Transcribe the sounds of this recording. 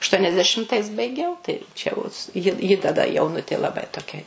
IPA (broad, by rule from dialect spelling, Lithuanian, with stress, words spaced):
ɐʃtuɔnʲɛzʲdʲɛˈʃʲɪmtɐɪs bɐɪˈɡʲɛʊ tɐɪ ˈt͡ʃʲɛ jɛʊ jɪ jɪ tɐˈdɐ jɛʊˈnʊtʲeː lˠɐˈbɐɪ toːˈkʲɛ